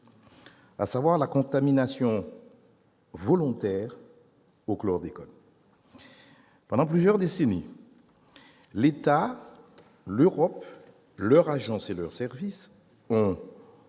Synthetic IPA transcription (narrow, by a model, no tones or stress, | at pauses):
a̰savwaʁlakɔ̃t̪aminasjɔ̃ | vɔlɔ̃t̪ɛːʁ | oklɔʁd̪ekɔl | pɑ̃d̪ɑ̃plyzjœʁd̪esenḭ | let̪a | løʁɔp | lœʁaʒɑ̃selœʁsɛʁvis | ɔ̃